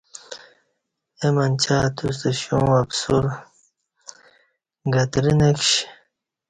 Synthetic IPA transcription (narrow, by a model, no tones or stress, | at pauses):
emɐnt͡ɕʰaːt̪us̬t̪eɕũːapsuɾ | ɡɐt̪ɾinekɕ